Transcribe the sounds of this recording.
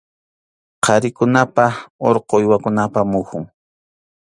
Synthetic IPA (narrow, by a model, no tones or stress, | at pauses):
qʰɑɾɪkʊnapaoɾqojwakʊnapamʊxʊŋ